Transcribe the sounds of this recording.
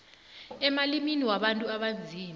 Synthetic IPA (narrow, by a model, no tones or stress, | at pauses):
ɛmaliminiwaɓantʼuaɓand͡zʱiːm